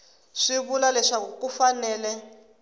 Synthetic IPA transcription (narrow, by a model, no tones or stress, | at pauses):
ʂiβulalɛʂakukufanɛːlɛ